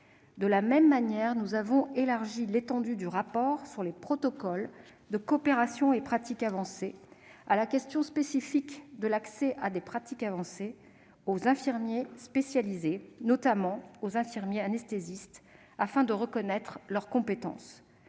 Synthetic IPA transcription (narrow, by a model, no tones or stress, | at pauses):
d̪əlamɛmːanjɛʁnuzavɔ̃elaʁʒilet̪ɑ̃d̪yd̪yʁapɔʁsyʁlepχɔt̪ɔkɔl | d̪əkɔpeʁasjɔ̃epχat̪ikavɑ̃sealakʲɛst̪jɔ̃spesifikd̪əlaksɛʔad̪epχat̪ikavɑ̃se | ozɛ̃fiʁmjespesjalizenɔt̪amɑ̃ozɛ̃fiʁmjeanɛst̪ezist̪ | afɛ̃d̪əʁəkɔnɛt̪χlœʁkɔ̃pet̪ɑ̰̃s